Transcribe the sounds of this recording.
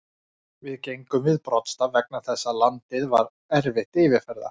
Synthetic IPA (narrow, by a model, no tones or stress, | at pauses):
vɪðcejŋkʏmvɪðpɾɔt̪st̪avɛk̚naθɛsːalant̪ɪðva̰ɾ | ɛɾvɪht̪ɪːvɪɾ̥fɛɾða̰ɾ̥